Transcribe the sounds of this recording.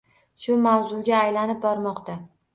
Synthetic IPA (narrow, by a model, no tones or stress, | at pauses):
ʃʊmawzʊɡʲaːjlanɪp̚bɒɾmɒqt̪a